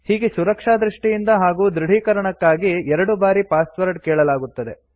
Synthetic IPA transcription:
hiːɡesuɾɐkʂaːd̪ɾiʂʈijind̪ɐɦaːɡuːd̪ɾiɽ̤ʱiːkɐɾɐɳɐkːaːɡiɛɾɐɽubaːɾipaːsʋɐɾɖkɛːɭɐlaːɡut̪ːɐd̪e̞

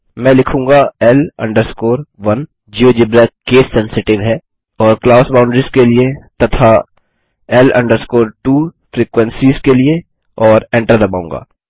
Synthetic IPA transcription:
mɛ̃ːlɪkʰũːŋɡaɛlɐ̰̃ɳɖəɾskoːɾʋɐn | d͡ʒioːd͡ʒɪbɾɛkːeːsːɛ̃nsɪʈɪʋɦɛː | ɔːɾklaːʊsbaʊɳɖɾiskeliet̪ɐt̪ʰa | ɛlɐ̰̃ɳɖəɾskoːɾʈuːfɾiːkʋɛ̃nsiːzkelie | ɔːɾẽɳʈəɾd̪ɐbaːũŋɡa̰ː

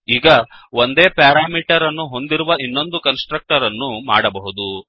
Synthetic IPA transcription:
iːɡɐo̞nd̪e̞ːpaːɾaːmiːʈɐɾɐnːuɦo̞nd̪iɾuʋɐʔinːo̞nd̪ukɐnsʈɾɐk̚ʈɐɾɐnːuma̰ːɽɐbɐɦud̪u

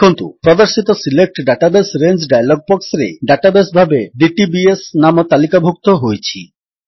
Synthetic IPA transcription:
kʰont̪upɾɔd̪aɾʃit̪osilek̚ʈɖaʈabesɾeɲd͡ʑɖajaloɡ̚bɔksɾḛɖaʈabesbʱabeɖiʈibiesnamot̪alikabʱuk̚t̪oɦojt͡ɕʰi

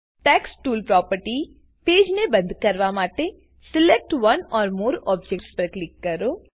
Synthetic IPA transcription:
ʈɛːksʈuːlpɾɔːpəɾʈi | peːd͡ʒnebɐ̃nd̪kɐɾʋamaːʈe | sɪlek̚ʈʋɐnɔːɾmoːɾɔːb̚d͡ʒekʈspɐɾklɪkːɐɾoː

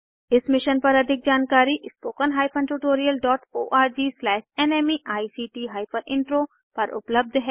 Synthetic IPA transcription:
ɪsmɪʃənpɐɾɐd̪ʱɪk̚d͡ʒaːnkaːɾiʔspoːkənɦaːɪpʰə̃nʈuːʈoːɾijəlɖɔːʈoːʔaːɾd͡ʒiːslɛːʃɛːneːmiʔaːisiːʈiːɦaːɪpʰəɾʔɪ̃ɳʈɾoː | pɐɾʔʊ̰pləb̚d̪ʱɦɛː

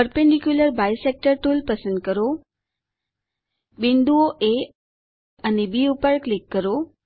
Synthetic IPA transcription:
pəɾpẽɳɖikjuləɾbajsek̚ʈəɾʈulpəsənd̪̚kəɾo | bĩnd̪uoʔe | ənebiupəɭklikːəɾo

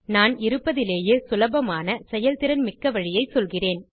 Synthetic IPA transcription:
naːnɪɾɯpːɐðɪleːjeːsʊlɐbɐmaːnɐsɛjɐlt̪ɪɾɐnmɪkːɐʋɐɻɪjɐɪsɔlɣɪreːn

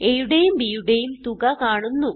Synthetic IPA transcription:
ejuɽejumbiːjuɽejumt̪uɡɐkaːɳunːu

